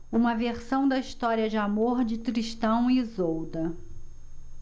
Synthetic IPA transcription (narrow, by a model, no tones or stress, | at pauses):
ũmɐveɾsɐ̃w̃d̪ɐiʃt̪ɔɾiɐd͡ʒɪamoɾd͡ʒɪt̪ɾiʃt̪ɐ̃w̃izowd̪ɐ